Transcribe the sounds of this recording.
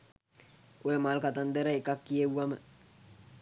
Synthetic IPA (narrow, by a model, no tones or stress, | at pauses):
ojəmalkat̪and̪eɾəekakːijewamə